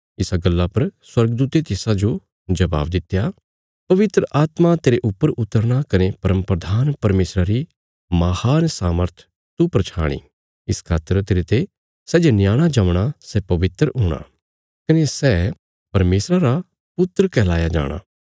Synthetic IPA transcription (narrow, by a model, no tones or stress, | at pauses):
ɪsaɡəlːapɐɾswɐɾɡd̪uːt̪et̪ɪsad͡ʒo | d͡ʒɐba̰ːbd̪ɪt̪ja | pɐʋɪt̪ɾəʔaːt̪mat̪eːɾeʔʊpːəɾʊt̪ːəɾɽ̃akɐnepɐɾəmpɾəd̪ʱaːnpɐɾmeːsɾaɾi | maːhaːnsaːməɾt̪ʰ | t̪upɾɐt͡ʃʰa̰ːɽ̃ḭː | ɪskʰaːt̪əɾt̪eːɾet̪e | sɛːd͡ʒenjaːɽ̃ad͡ʒɐmɽ̃asɛpɐʋɪt̪ɾɦoːɽ̃a̰ | kɐnesɛː | pɐɾmeːsɾaɾa | pʊt̪ːɾəkɛːla̰ːjad͡ʒa̰ːɽ̃a̰ː